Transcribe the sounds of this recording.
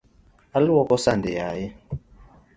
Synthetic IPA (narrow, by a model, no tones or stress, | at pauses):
alwɔkɔsandɛjaːjɛ